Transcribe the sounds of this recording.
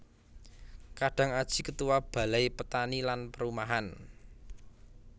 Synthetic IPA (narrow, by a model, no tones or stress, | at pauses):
kaɖ̥a̤ŋad̥ʒ̥i̤kət̪uwab̥a̤lajpət̪anilanpəɾumaɦan